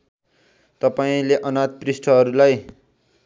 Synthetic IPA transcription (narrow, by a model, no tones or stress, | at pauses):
t̪ʌpaĩleʔʌnat̪̚prisʈʰʌɦʌɾulaj